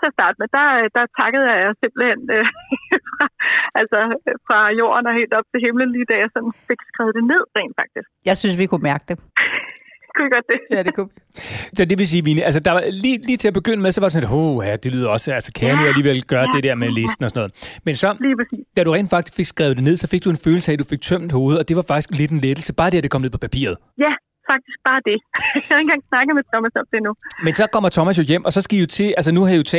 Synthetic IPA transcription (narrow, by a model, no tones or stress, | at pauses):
t͡sʰeɐsd̥ɑ̈ːd̥əmed̥ɑ̈d̥ɑ̈t͡sʰɑ̈ɡ̥əð̞̩ˠjɑ̈jɑɪse̝mb̥l̩hen̰øfʁɑʔælsɒfʁɑ̈jo̝̰ːɐnɒ̽he̝̰ːld̥ɒ̽b̥̚t͡sʰe̝lɦemlənliːd̥æjäɪsɒ̽nn̩fe̝ɡ̥sɡ̥ʁaːʊd̥e̝ne̝ð̞̰ˠʁɛ̰ɪn̥fɑ̈ɡ̥̚d̥isɡ̥jɑ̈ɪsynsʋikʰumæɐɡ̥d̥e | kʰu̥eɡ̥ɒd̥̚d̥e̝ædekʰusɒ̽d̥e̝ʋe̝s̬iːʋiːniæls̬əd̥ɑ̈ʋɑliliːt͡sʰe̝æb̥e̝ɡ̥øn̰əmeðˠsɒʋɑɾ̥e̥sɒneɦohæd̥e̝lyːð̰ˠɐɒ̽sælsə̥kʰæɐnuðˠæliːʋel̰ɡ̥ɶɐd̥e̝d̥eɐ̰mele̝sd̥n̩ɒsɒ̽nɔ̽ð̩ˠmensɒ̽liːpʰʁɐsḭːsd̥æɾuʁɛ̰ːn̥fɑ̈ɡ̥d̥i̥sfe̝ɡ̥sɡ̥ʁaɛːʊ̥e̝ne̝ð̰ˠsɒ̽fe̝ɡ̥̚d̥ue̝nføːl̩səæd̥ufe̝ɡ̥̚t͡sʰøm̰d̥ho̝ːð̞̩ˠɒ̽d̥e̝ʋɑ̈fɑ̈ɡ̥isɡ̥le̝d̥en̩led̥l̩səb̥ɑ̈ːd̥e̝ɐd̥ekʰɒ̽mne̝̰pʰɒ̽pʰæpʰḭːɐð̞̩ˠ | jæ | fɑ̈ɡ̥̚d̥isɡ̥̚b̥ɑ̈ːd̥e̝jaenɡ̥ɑ̈ŋ̰snɑ̈ɡ̥əmet͡sʰɒ̽mæsɒ̽md̥enumensɒ̽kʰɒ̽m̰ɐt͡sʰɒ̽mæs̬jojem̰ʔɒ̽sɒ̽sɡ̥ijo̝t͡sʰe̝ælsənuhæiot͡sʰɛ